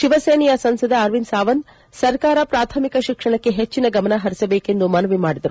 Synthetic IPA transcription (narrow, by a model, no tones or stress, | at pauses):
ʃiʋɐseːnijɐsɐnsɐd̪ɐːɾʋinsaːʋɐn | sɐɾkaːɾɐpɾaːt̪ʰɐmikɐʃikʂɐɳɐkːe̞ɦet͡ʃːinɐɡɐmɐnɐɦɐɾisɐbeːke̞nd̪umɐnɐʋimaːɽid̪ɐɾu